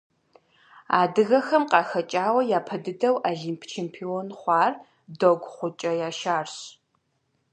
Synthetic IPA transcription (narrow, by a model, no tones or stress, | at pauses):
a̰ːdɨɣɐxɐmqɑːxɐt͡ʃʼaːwɐjaːpʰɐdɨdɐwʔaːɮempʰt͡ʃʰeːmpʰionχʷɑːr | doɡʷχʷʊt͡ʃʼɐjaːʃaːrɕ